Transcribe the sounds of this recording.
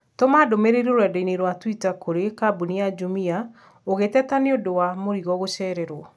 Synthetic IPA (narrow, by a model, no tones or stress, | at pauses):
tomadomeɾeɾioɾwɛdɔineɾwatwitakoɾekabuniad͡ʒumia | oɣetɛtaneodowamoɾiɣɔɣoʃɛɾɛɾwɔ